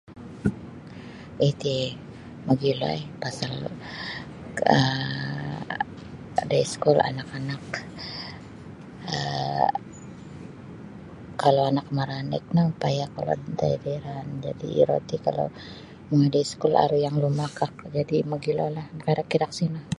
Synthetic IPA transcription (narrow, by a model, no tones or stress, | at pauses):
it̪i | maɡilo̰epasal | ə | daiskula̰nakanak | ə̰ | kːalawanakmaɾanɪ̰k̚naupajakala̰dt̪a̰ideɾand͡ʒa̰dḭḭɾo̰t̪ika̰lo̰ | məŋadaiskula̰ɾujaŋlumakak̚d͡ʒadimaɡilo̰lahmkaɾakːidaksinah